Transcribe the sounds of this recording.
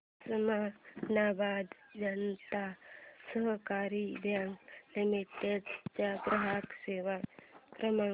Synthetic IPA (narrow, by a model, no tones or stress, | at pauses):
səmanaːbaːd̪d͡ʒɐnt̪asəɦkaːɾid̪ʱjaŋɡlimiʈed̪t͡ʃapɾɐɦaːkseːʋapɾəma